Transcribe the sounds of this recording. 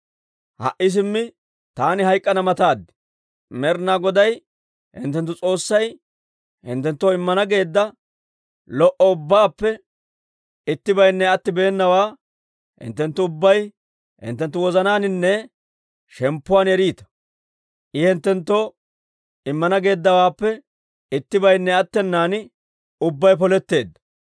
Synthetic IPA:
hɐ̰ʔɪs̬ɪmːɪ | t̪aːnɪɦɐjkʼːɐnɐmɐt̪aːd̪ːɪ̥ | mɛɾnaːɡɔd̪ɐj | hɪ̰nt̪ːɛnt̪ːʊt͡sʼo̞ːsːɐj | hɪ̰nt̪ːɛnt̪ːoːɪmːɐnɐɡe̞ːd̪ːɐ | lɔʔɔʊbːaːpːɛ | ɪt̪ːɪbɐjnːɛɐt̪ːɪbe̞ːnːɐwaː | hɪ̰nt̪ːɛnt̪ːʊːʊbːɐj | hɪ̰nt̪ːɛnt̪ːʊwɔzɐnaːnɪnːɛ | ʃɛmpːʊwaːnɛɾiːt̪ɐ̥ | ʔɪhɪnt̪ːɛnt̪ːo | ɪmːɐnɐɡe̞ːd̪ːɐwaːpːɛ | ɪt̪ːɪbɐjnːɛɐt̪ːɛnːaːnɪ | ʊbːɐjpɔlɛt̪ːe̞ːd̪ːɐ̥

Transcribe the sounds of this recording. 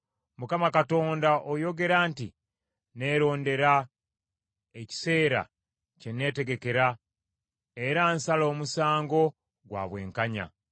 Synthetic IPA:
mukamakato̞ːndaʔojo̞ɡe̞ɾaːnti | ne̞ːɾo̞ːnde̞ɾa | e̞ci̥se̞ːɾa̰ | ce̞ne̞ːte̞ɡe̞ke̞ɾa | e̞ɾansalo̞ːmusaːŋɡo̞ | ɡwa̰ːβwe̞ːŋkaɲa̰

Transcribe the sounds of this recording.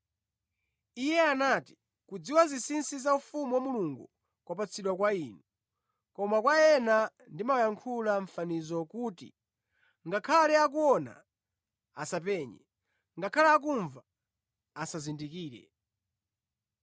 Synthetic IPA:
ijɛanati̥ | kud͡ziwazisinsizaufumuwamuluŋɡṵ | kwapat͡sʰiɗwakwaiːnu | kɔmakwajɛnandimawjaŋkʰulaɱ̩fanizɔkutḭ | ŋɡakʰalɛakuɔna̰ | asapɛɲɛ̰ | ŋɡakʰalaːk̬uɱva | asazindikiːɾɛ̰

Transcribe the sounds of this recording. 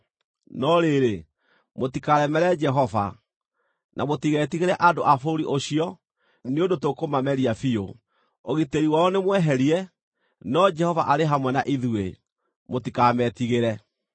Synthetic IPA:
nɔɾeɾe | motikaɾɛmɛɾɛd͡ʒɛɦɔva̰ | nʔamotiɣɛtiɣeɾɛʔadoʔafoɾiʔoɕiɔ | neondotokomamɛɾiafio | oɣiteɾiwaɔnemwɛɦɛɾiɛ | nɔd͡ʒɛhɔvaʔaɾeɦamwɛnaʔiðue | motikaːmɛtiɣeɾɛ

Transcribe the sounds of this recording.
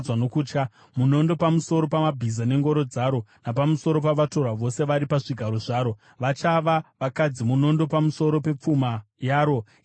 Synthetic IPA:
wanokuːt͡ʃka | muno̞ndo̞pamuso̞ɾo̞pamabʱizane̞ŋɡo̞ɾo̞d͡zaːɾo̞napamusoɾo̞paʋato̞rwaʋo̞se̞ʋaɾipaʐiɡʱaɾo̞ʐaːɾo̞ | ʋat͡ʃaʋaʋakad͡zimuno̞ndo̞pamuso̞ɾo̞pe̞p͡fuma | jaːɾo̞

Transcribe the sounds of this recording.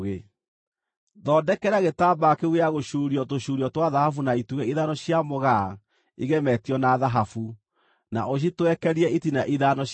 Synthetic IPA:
ɣe | ðɔdɛkɛɾaɣetaːbakeweaɣoʃuːɾiɔtoʃuːɾiɔtwaðahafunaituɣɛiðanɔɕiamoɣa | iɣemɛtiɔnaðaɦafu | na̰ʔoɕ̬itwɛkɛɾiɛitinaʔiðanɔɕ

